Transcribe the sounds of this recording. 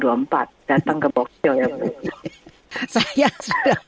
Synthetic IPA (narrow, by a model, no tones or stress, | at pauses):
duampat̪̚d̥at̪aŋkəbɔk̚sɔjamət̪u | sajasuda